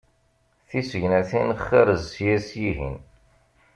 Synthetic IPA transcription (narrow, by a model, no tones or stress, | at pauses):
θisəʝnæθinχːiɾəzsjæsjiɦḭn